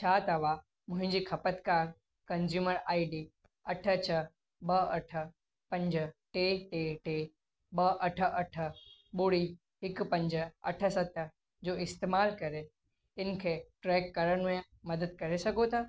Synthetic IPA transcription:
t͡ʃʰaːt̪əʋa | mʊ̃ɦɪ̃d͡ʒiːkʰɐpət̪kaːɾ | kɐnzjuːməɾaːiɖi | ɐʈʰət͡ʃʰə | ɓəɐʈʰə | pɐ̃ɲd͡ʒəʈeʈeʈe | ɓəʔɐʈʰəʔɐʈʰəɓʊɽi | ɪkpə̃ɲd͡ʒəɐ̰ʈʰəsət̪ːə | d͡ʒoːɪst̪emaːlkɐɾe | ɪnkʰeʈɾɛːkːɐɾənẽ | mɐd̪əd̪̚kɐɾesɐɡot̪ʰa

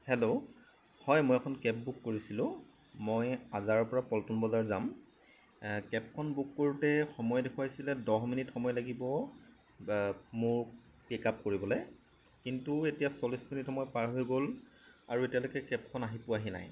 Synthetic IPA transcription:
helo | hɔjmɔjɛkʰɔnkɛp̚bukːoɹisilʊ̃ | mojazaɹɔɹpɔɹapɔltunbɔzaɹzam | kɛp̚kʰɔnbukːoɹutɛxɔmɔjɛdekʰwaasilɛdɔɦminitxɔmɔjlaɡibɔ | mʊɹ | pikap̚koɹibɔlɛ | kintuetijasɔlisminitxɔmɔjpaɹɦojɡola̰ɹuetijalojkɛkɛp̚kʰɔnaɦipʊaɦina̰j

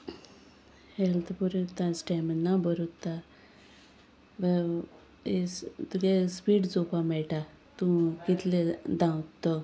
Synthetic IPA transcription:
helt̪ʰpuɾut̪ːãsʈemənːabəɾut̪ːa | bə | est̪ɡespiːʈd͡zokamɛɭʈa | t̪ũkit̪led̪ãwt̪ːə

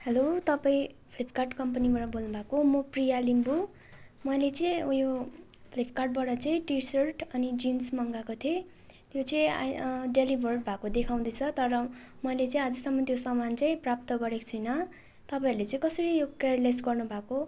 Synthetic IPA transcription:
helot̪ʌpaĩpʰlip̚ʰkarʈkʌmpʌnibaʈʌbolnubʱakomoprijalimbu | mʌjlet͡sʌĩjo | pʰlipʰkarʈ̚baʈʌt͡sʌĩʈisʌrʈʌnid͡zinsmʌŋɡakot̪ʰe | t̪jot͡sʌĩa̰ɖelibʱʌrʈbʱakod̪ekʰaw̃d̪ʌjt͡sʰʌt̪ʌɾʌ | mʌjlet͡sʌĩad͡zʌsʌmːʌt̪josʌmant͡saĩprap̚t̪ʌɡʌɾekt͡sʰʌjnʌ | t̪ʌpaĩɾulet͡sʌ̃ĩkʌsʌɾijokerlesɡʌrnubʱako

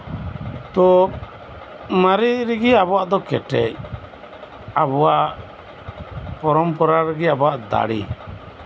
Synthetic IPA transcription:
t̪ɔ | maɾiɾɛɡɛabɔwaʔd̪ɔkɛ̰ʈɛc̚ | abɔwaʔ | pɔɾɔmpɔɾaɾɛɡɛabɔwaʔd̪a̰ɽḭ

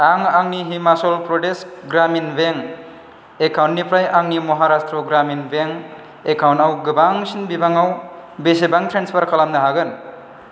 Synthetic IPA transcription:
aŋaŋniɦimasolpɾoɖesɡɾaminbeŋ | ekʰawnːipɾajʔaŋnimʌɦaɾast̪roɡɾaminbeŋ | ekʰawnawɡəbaŋsinbibaŋawbesebaŋt̪ʰɾenspʰʌɾkʌlamd̪aɦaɡən

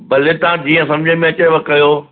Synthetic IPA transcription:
bɐlet̪ãːd͡ʑiːə̃sɐ̃md͡ʑʱemẽɐt͡ɕeʋɐkkɐjoː

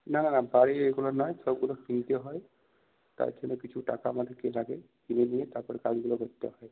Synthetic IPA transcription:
nananabaɾeeɡulɔnajsɔbɡulɔkpint̪eɦɔj | t̪a̰t̪ʰenekit͡ʃʰuʈa̰kamad̪ʱkelaɡe | kineniet̪apɔɾkad͡ʒɡulɔɡɔt̪ḛɦɔj

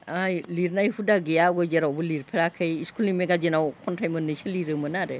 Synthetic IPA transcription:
ajliɾnajhudaɡejaɡɔd͡ʒeɾawbɯliɾpʰeɾakʰɯjiskʰuliŋmeɡad͡ʒinawkʰɔntʰajmɯnɯjsɯliɾɯmɯnaɾe

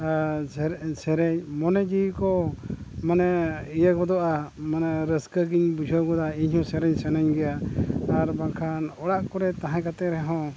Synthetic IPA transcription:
sɛɾɛɲmɔnɛd͡ʒikɔ | manɛijakɔd̪ɔʔamanɛɾəskəɡiɲbud͡ʒʰʱəɡɔd̪aiɲhɔ̃sɛɾɛɲsɛnaɲɡɛjaaɾbakʰanɔɽaʔkɔɾɛt̪ãɦãkat̪ɛɾɛɦɔ̃

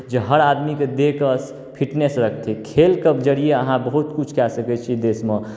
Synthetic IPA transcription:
d͡ʒeɦəɾad̪miked̪ekəs | pʰiʈnesɾəkʰt̪ʰikʰelkəbd͡ʒəɽijeəɦãbəɦut̪kut͡ʃʰkɛsəkɛt͡ʃʰid̪esme

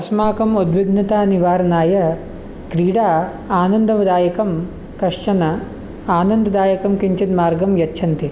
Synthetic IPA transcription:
ɐsmaːkɐmud̪ʋiɡnɐt̪aːniʋaːɾɐnaːjɐ | kɾiːɽaː | aːnɐnd̪ɐʋɐd̪aːjɐkɐm | kɐʂʂɐnɐ | aːnɐnd̪ɐd̪aːjɐkɐmkiɲt͡ʃit̪maːɾɡɐmjɐtːʃʰɐnt̪i

